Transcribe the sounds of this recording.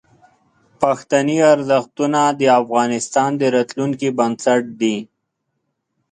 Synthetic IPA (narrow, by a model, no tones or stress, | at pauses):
paxt̪aniaɾzaxt̪unad̪əafɣɑːnɪst̪ɑːnd̪əɾat̪luŋkibansaʈ̚d̪i